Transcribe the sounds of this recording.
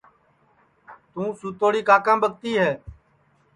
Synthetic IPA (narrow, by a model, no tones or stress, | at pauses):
t̪ũːsuːt̪oːɽiːkaːkãːbəkt̪iːɦɛː